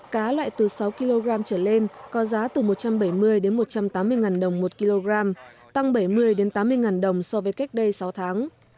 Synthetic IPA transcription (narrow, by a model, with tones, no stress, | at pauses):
kaː˨˦lwa̰ː˧˨jt̪ɨ˨˩sa˨˦wki˧lo˧ɣɾaː˧mt͡ɕəː˧˩le˧nkɔ˨˦zaː˨˦t̪ɨ˨˩mo˨˩t̚t͡ɕa˧mɓə˧˩jmɨ˧əjɗe˨˦nmo˨˩t̚t͡ɕa˧mt̪aː˨˦mːɨ˧əjŋaː˨˩nɗə˨˩wŋ͡mmo˨˩t̚ki˧lo˧ɣaː˧mt̪a˧ŋɓə˧˩jmɨ˧əjɗe˨˦nt̪aː˨˦mːɨ˧əjŋaː˨˩nɗə˨˩wŋ͡msɔ˧vəː˨˦jka˦˥jk̟̚ɗə˧jsa˨˦wt̪ʰaː˨˦ŋ